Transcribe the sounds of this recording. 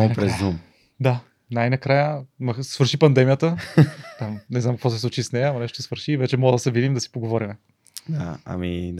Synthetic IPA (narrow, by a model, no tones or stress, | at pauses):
pɾɛzd̪um | d̪a | najnɐkɾajəmɐxsvəɾʃipɐnd̪ɛmijət̪ət̪amnɛznamkɐkvɔs̬ɛslˠut͡ʃisnɛjəɐmɐnɛʃt̪osɛsvəɾʃiːvɛt͡ʃɛmɔləd̪ɐsɛvid̪imd̪ɐsi̥poɡovɔɾimɛ | d̪a̰ɐ̰mḭ